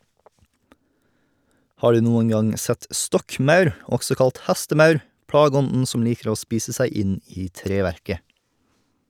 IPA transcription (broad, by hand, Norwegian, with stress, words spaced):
ˈhɑː ˈɖʉː ˈnuːəŋ ˈɡɑŋ ˈsɛt ˈstɔkˌmœʉɾ ˈɔksɔ ˈkɑlt ˈhæstəˌmœʉɾ ˈpɽɑːɡəˌɔndn̩ ˈsɔm ˈliːkəɾ ˈoː ˈspiːsə ˈsæɪ ˈɪn ˈiː ˈtɾeːʋæɾkə